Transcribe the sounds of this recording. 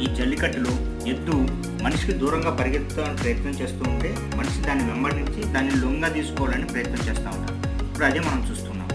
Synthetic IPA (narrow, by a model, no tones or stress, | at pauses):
iːt͡ʃɐlːikɐʈːulo | ed̪ːu | mɐniʂi̥kid̪uːɾɐŋɡaːpɐɾiɡep̪ut̪aːɐnipɾɐjɐt̪nɐmt͡ʃe̞ːst̪uːɳʈe̞ː | mɐnɐʂid̪aːnːimɛmbɐɾniɲt͡ʃid̪aːnːiloːŋɡaːt̪iːsu̥kɔːʋaːlɐnipɾɐjɐt̪nɐmt͡ʃeːst̪aːʋunːa̰ːuipːuɽɐd̪emɐnɐmt͡ʃuːst̪unːa̰ːm